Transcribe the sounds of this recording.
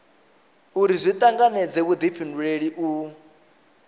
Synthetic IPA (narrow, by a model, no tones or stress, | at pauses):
uɾizʷit̪ʼaŋɡanɛd͡zɛβud̪ipʰinduɺeɺiʔu